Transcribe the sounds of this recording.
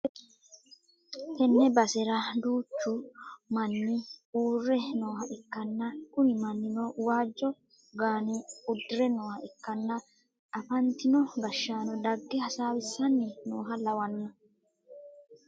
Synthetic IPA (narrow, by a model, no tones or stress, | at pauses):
hɛnːɛbɐsɛɾɐd̪uːt͡ʃːʊmɐnːɪuːrːɛnoːhɐʔɛkːɐnːɐkʊnɪmɐnːɪnoːwaːd͡ʒːɔ | ɡaːnɪʊd̪ːɪɾɛnoːhɐɛkːɐnːɐ | ɐfɐnt̪ɪnɔɡɐʃːaːnɔd̪ɐɡːɛhɐsaːwɪsːɐnːɪnoːɦɐlɐwɐnːɔ